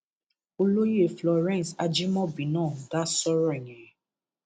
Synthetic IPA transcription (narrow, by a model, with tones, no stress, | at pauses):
o˧lo˦je˦˨flɔ˨ɾɛ̃˦˨sa˧d͡ʒi˦mɔ̃˦bĩ˨nãː˦˨ɡa˦sɔ˦ɾɔ˦i˨ɲɛ̃˨ɛ˨